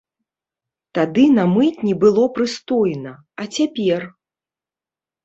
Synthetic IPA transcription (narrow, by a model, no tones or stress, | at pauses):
t̪ad̪ɨnɐmɨt͡sʲnʲɛbɨlˠɔpɾɨst̪ɔjnɐ | ɐt͡sʲapʲɛr